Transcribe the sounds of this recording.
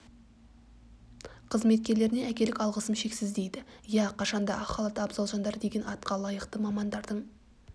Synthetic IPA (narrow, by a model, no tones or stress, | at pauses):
qʰəzme̞t̪̚kʲe̞ɾle̞ɾɪneækʲe̞lɪkʲɑlˠʁəsəmʃe̞ksɪzd̪e̞jd̪ɪjæqʰɑʃɑnd̪ɑɑχɑlˠət̪əɑbzɑlˠʒɑnd̪ɑɾd̪e̞ɡʲe̞nɑt̪qɑlˠɑjəqt̪əmɑmɑnd̪ɑɾd̪əɴ